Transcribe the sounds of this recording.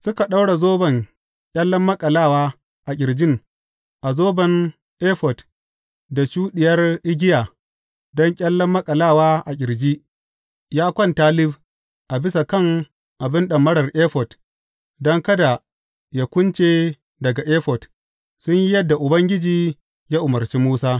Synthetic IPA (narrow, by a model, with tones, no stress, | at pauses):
sʊ˦ka˨ɗa˦wɽa˨zoː˦bɐ˨ŋ | kʲʼɐ˦lːɐ˦mːɐ˦kʼɐ˨laː˦˨waː˦ | ʔa˨kʲʼɪ˨ɾd͡ʒɪ˦ŋ | ʔa˨zoː˦bɐ˨n | ʔeː˦ɸɔ˨t | da˨ʃuː˦ɗɪ˨jɐ˦rʔɪ˦ɡʲɪ˦jaː˨ | dɔ˦ŋkʲʼɐ˦lːɐ˦mːɐ˦kʼɐ˨laː˦˨waː˦ʔa˨kʲʼɪ˨ɾd͡ʒi˦ʔ | jaː˦kʷɔ˦˨ntaː˦lɪ˦b | ʔa˨bɪ˦sa˨kɐ˦˨ŋ | ʔa˨bɪ˦nɗɐ˨mːɐ˦ɽɐ˨rʔeː˦ɸɔ˨t | dɔ˦ŋkɐ˦da˨ | ja˦kʷʊ˦nt͡ʃeː˦ | dɐ˨ɡa˨ʔeː˦ɸɔ˨t | sʊ˦ɲji˦jɐ˦dːa˨ʔʊ˨bɐ˦ŋɡʲɪ˦d͡ʒiː˦ | jaː˦ʔʊ˨mɐ˨rt͡ʃi˦muː˦saː˦